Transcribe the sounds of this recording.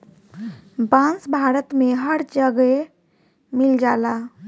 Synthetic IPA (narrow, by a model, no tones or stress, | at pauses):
bãnsbʱaːɾət̪mẽɦəɾd͡ʒəɡe | mɪld͡ʒaːla